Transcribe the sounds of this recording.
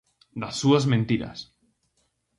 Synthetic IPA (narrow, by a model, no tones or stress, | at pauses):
d̪asːuazmẽnt̪iɾa̰s